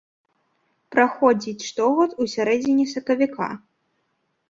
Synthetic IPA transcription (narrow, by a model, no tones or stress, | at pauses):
pɾaxɔd͡zʲit͡sʲʂt̪ɔɣɔt̪usʲaɾɛd͡zʲinʲisɐkɐvʲikʰa̰